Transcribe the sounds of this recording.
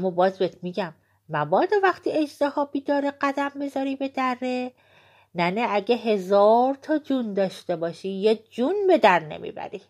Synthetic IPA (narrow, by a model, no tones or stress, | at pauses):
æmːɒːbɒːzbet̪ʰmiːɟæmː | ævɒːd̪evæχt̪ʰiːe̞d͡ʒt̪ehɒːbiːd̪ɒːɾeɢæd̪æmbe̞zɒɾiːbe̞d̪ærːe | næneæɟeɦe̞zɒːɾt̪ʰɒd͡ʒund̪ɒːʃt̪e̞bɒːʃijed͡ʒunbe̞d̪æɾne̞̰mḭːbæ̰ɾi